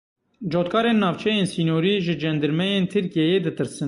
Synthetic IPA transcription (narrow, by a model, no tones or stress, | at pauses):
d͡ʒot̪̚kʰɑːɾenːɑːvt͡ʃʰɛjeːnsiːnjoːɾiʒɨd͡ʒɛnd̪ɨɾmɛjent̪ʰɨɾkijɛjeːd̪ɨt̪ɨɾsɨn